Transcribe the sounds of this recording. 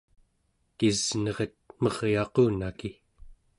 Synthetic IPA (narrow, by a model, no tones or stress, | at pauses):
kiznʌʁət̪̚mʌʁjɑquːnaki